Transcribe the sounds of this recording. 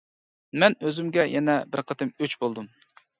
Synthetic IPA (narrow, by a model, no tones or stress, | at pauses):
mɛnøzymɡʲɛjʔɛnɛbɪɾqʰət̪ʰɨmøt͡ʃbolˠd̪um